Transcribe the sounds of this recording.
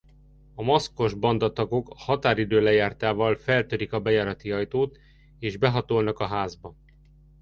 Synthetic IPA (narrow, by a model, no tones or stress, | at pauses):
ɒmosko̞ʒbɒnd̪ɒt̪ɒɡo̞kɒhɒt̪aːɾid̪øːlɛjaːrt̪aːvɒlfɛlt̪øɾikɒbɛjaːɾɒt̪iɒjt̪oːt̪ | eːʒbɛɦɒt̪o̞lnɒkɒɦaːzbɒ